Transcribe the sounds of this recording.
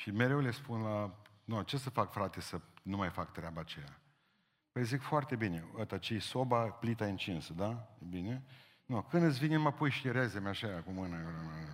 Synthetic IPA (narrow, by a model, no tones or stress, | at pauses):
ʃime̞ɾe̞wlespunla | not͡ʃe̞səfakfɾat̪esənumajfakt̪ɾeabaːt͡ʃeja | pəjzikfoart̪e̞bine̞ot̪at͡ʃesobaplit̪aint͡ʃinsəd̪ajebine̞ | nukɨnd̪ɨt̪sʲvineməpujʃiɾezemaʃaakumɨnəɨnə